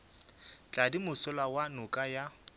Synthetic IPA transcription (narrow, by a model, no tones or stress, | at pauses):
t͡ɬʼadimʊsʊlawanʊkʼaja